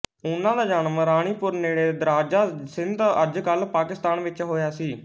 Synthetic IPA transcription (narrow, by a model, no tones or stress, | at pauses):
ʊnãːd̪aːd͡ʒaːnmɾaːɽ̃iːpʊɾneːɽeːd̪ɾaːd͡ʒaːsɪnd̪əd͡ʒkəlpaːkɪst̪aːnʋɪt͡ʃɦoːjaːsiː